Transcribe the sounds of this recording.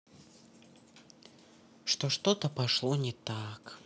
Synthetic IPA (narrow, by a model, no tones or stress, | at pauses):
ʂt̪oʂt̪ot̪əpɐʂlˠonʲɪt̪ak